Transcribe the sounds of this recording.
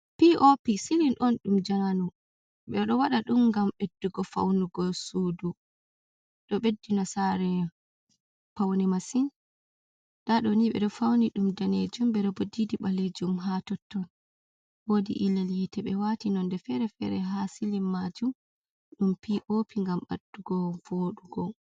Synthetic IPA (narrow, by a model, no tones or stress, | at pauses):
piʔopisilinʔɔnɗumd͡ʒananu | ɓɛɗɔwaɗaɗumɡamɓedːuɡɔfa̰wnuɡɔsuːdu | ɗɔɓedːinasaɾɛ | pawnimasin | d̥aɗɔniɓɛ̰ɗɔfawniɗumdaned͡ʒumɓɛɗɔbodidiɓaled͡ʒumɦatɔtːɔn | wodḭʔileljitɛɓɛwatinɔndɛfɛɾɛfɛɾɛɦasilimːad͡ʒum | ɗumpiʔopʰiŋɡamɓa̰dːuɡɔvoɗuɡɔ